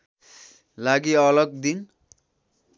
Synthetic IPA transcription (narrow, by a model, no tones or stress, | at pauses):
laɡiʌlʌɡ̚d̪in